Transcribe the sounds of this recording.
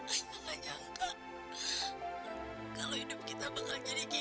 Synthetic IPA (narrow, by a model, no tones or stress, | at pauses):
alad͡ʒaŋka | kaloidʊp̚kit̪abəŋad͡ʒadiki